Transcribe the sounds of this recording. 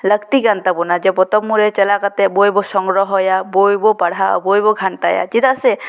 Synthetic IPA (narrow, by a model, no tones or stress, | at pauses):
ləkt̪iɡant̪apɔnad͡ʒɛpɔt̪ɔmːuɾɛt͡ʃɛlakat̪ɛbojbɔsɔŋɡɹɔɦɔjabojbɔpaɽ̤ʱa̰bojbɔɡʱanʈaja̰d͡ʒit̪asɛ